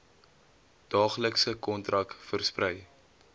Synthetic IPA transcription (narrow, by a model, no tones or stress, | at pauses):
d̥ɑːχləksəkɔntrɐkfərsprɛj